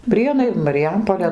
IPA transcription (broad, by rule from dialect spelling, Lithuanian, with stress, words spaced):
ˈpʲrʲiɛnɐɪ mɐrʲɪˈjɛmpoːlʲeː